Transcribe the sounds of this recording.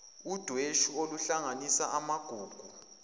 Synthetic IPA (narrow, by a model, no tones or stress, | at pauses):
ud̥ʱweʃuoluɬaŋanisaʔamaɡ̥ʱuːɡ̥ʱu